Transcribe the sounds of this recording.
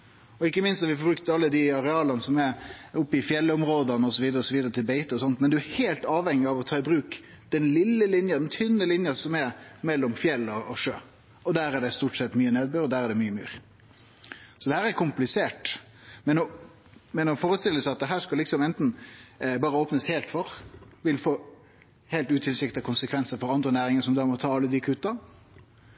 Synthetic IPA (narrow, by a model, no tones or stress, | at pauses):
ɔɪkːəmɪnst̪ɑɾʋɪfɔɾbɾʉkt̪ɑlːəd̪ɪɑɾɛɑːlɑnəsɔmæɾʊpːɪfjɛlːɔmɾoːd̪ɑnəɔsɔʋiːd̪əɾəɔsɔʋiːd̪əɾət̪ʰɪlbeɪt̪əɔsɔnt̪mɛnd̪ʉæɾheːlt̪ɑːʋhɛŋːɪɑʋɔt̪ʰɑːɪbɾʉːk | d̪̥ɛnlɪlːəlɪnjɑd̪ɛnt̪ʰʏnːəlɪnjɑsɔmɛɾmɛlːɔmfjɛlːɔːʂøː | ɔd̪æːɾæɖɛst̪uʈsɛt̪ːmyːəneːd̪̚bøːɾɔd̪æːɾæɖɛmyːəmy̰ːɾ | sɔd̪ɛhæːɾɛɾkʰʊmplɪseːʈ | mɛnɔ | mɛnɔfoːɾəst̪ɪlːəsæɪɑt̪̚d̪ɛɦæːʂkɑlːɪksɔmɛnt̪n̩bɑːɾəoːpnəsheːlt̪fɔɾʋɪlfoː | heːlt̪ʉːt̪ʰɪlsɪkt̪ɑkʰʊnsəkʰʋɛnsəɾfɔɾɑnd̪ɾənæːɾɪŋəʂɔmd̪ɑːmɔt̪ʰɑːɑlːəd̪iːkʰʉːt̪ɑ